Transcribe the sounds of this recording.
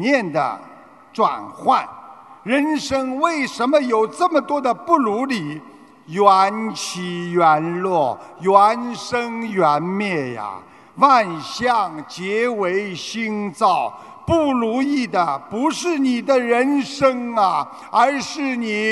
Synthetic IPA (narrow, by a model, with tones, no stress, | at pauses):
jɛ˥˩nd̪ə̰˩ | ʈ͡ʂwa̰˨˩nxwa˥˩nɻə˧˥nʂɤ˥ŋwe˥˩ɪʂə˧˥nmə˧jo˨˩ʊʈ͡ʂə˥˩mə˩t̪wɔ˥d̪ə˨pu˥˩lu˧˥li˨˩ | jwa˧˥nt͡ɕʰi˧˥jɛ˧˥nlwɔ˥˩jwa˧˥nʂə˥ŋjɛ˧˥nmjɛ˥˩ja̰˨˩ | wa˥˩nɕjɑ˥˩ŋt͡ɕjɛ˧˥we˧˥ɪɕi˥ŋt͡sɑ˥˩ʊ | pu˥˩lu˧˥i˥˩d̪ə˩pu˧˥ʂɻ̩˥˩ni˨˩d̪ə˦ɻə˧˥nʂɤ˥ŋɐ˨ | ə˞˧˥ʂɻ̩˥˩ni˨˩